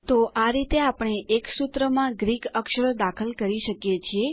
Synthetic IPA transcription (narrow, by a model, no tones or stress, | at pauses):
t̪oʔaɾit̪eapəɳ̃eʔeksut̪ɾəmãɡɾikəkʃəɾod̪akʰəlkəɾiʃəkjet͡ʃʰie